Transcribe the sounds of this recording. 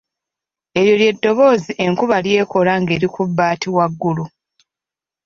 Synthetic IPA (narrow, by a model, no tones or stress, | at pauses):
e̞ɾjo̞lje̞dːo̞βo̞ːziʔe̞ŋkuβalje̞ːko̞laŋɡe̞ːɾikubːaːtiwaɡːulu